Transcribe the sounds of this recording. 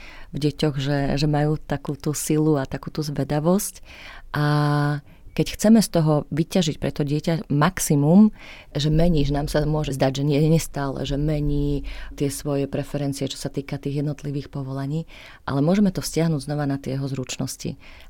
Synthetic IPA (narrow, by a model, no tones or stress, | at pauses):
vɟɛcɔɣʒɛʒɛmajuːt̪akuːt̪usiluat̪akuːt̪uzʋɛd̪aʋɔscʔa | kɛcxt͡sɛmɛst̪ɔɦɔʋicaʒic̚pɾɛt̪ɔɟɪɛcamaksimum | ʒɛmɛɲiːʒɛnaːmsamʊɔʒɛzd̪aɟʒɛɲɪɛɛɲɛst̪aːlɛ̰ʒɛmɛɲiːt̪ɪɛsʋɔjɛpɾɛfɛɾɛnt͡siɛt͡ʃɔ̥sat̪iːkat̪iːɣjɛd̪nɔt̪liʋiːxpɔʋɔlaɲiː | ʔa̰lɛmʊɔʒɛmɛt̪ɔfscɪaɦnuːɟznɔʋanat̪ɪɛjɛɦɔzɾut͡ʃnɔscḭ